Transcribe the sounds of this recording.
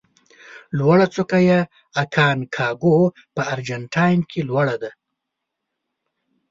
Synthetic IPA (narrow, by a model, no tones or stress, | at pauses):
lwaɽat͡sokaja | akʰɑːnkʰɑːɡo | pəaɾd͡ʒaɳʈʰɑjnkʰelwaɽad̪a